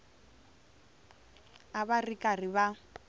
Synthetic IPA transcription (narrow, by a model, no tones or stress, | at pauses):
abarikʼariβa